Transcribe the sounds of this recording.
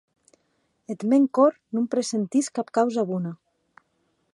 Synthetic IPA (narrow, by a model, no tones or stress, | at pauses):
et̪meŋkoɾ | numpɾesent̪iskap̚kawzaβuna